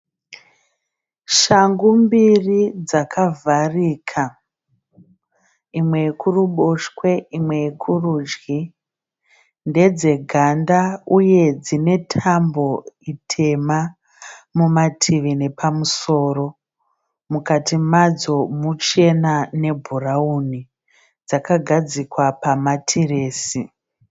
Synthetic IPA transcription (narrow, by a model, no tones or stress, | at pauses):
ʃaŋɡumbirid͡zakʰavʱariːkʰa | imwe̞ekuruɓoʃkwe̞imwe̞jekʰuruːd͡ʒɡi | nde̞d͡ze̞ɡʱandauje̞d͡zine̞tʰambo̞itʰe̞ma | mumatʰiʋine̞pʰamuso̞ːro̞ | mukatimad͡zo̞mut͡ʃe̞nane̞bʱurauni | d͡zakaɡʱad͡zikwapamatʰireːsi